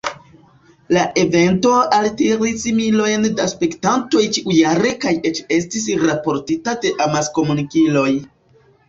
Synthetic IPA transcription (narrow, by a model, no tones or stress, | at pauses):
laʔe̞ve̞nto̞altiɾisimilo̞jndaspe̞ktanto̞jt͡ʃiʔujaɾe̞kaje̞t͡ʃe̞stis̬ɾapo̞ɾtitade̞ʔamasko̞munikilo̞j